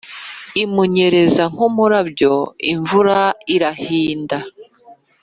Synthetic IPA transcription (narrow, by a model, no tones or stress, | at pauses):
imuɲe̞ɾe̞zaŋ̥umuɾabjo̞iɱvuɾaiɾahiːnda